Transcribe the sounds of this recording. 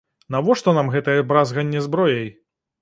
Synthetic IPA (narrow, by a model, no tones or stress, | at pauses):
nɐvɔʂt̪ɔnamɣɛt̪ɐjɛbɾazɣɐnʲːɛzbɾɔjɐj